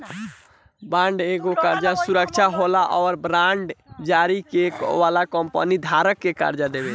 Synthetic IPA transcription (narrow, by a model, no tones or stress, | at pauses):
bãɳɖeɡokaɾd͡ʒasuɾəkt͡ʃʰaɦolaʔɔːɾbɾãɳɖd͡ʒaɾikekʋalakɔmpə̰nid̪ʱaɾəkːeka̰ɾd͡ʒad̪ebe